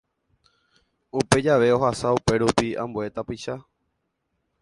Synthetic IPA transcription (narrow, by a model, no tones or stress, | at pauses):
upe̞d͡ʒaʋe̞o̞ɦasaupe̞ɾupiã̰mbue̞t̪apiʃa